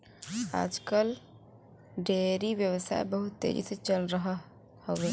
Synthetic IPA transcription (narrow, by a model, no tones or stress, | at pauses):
a̰ːd͡ʒkəl | ɖʱeɾiʋjəwəsa̰ːḛbəɦut̪ːḛd͡ʒḭset͡ʃəlɾəɦ | hoe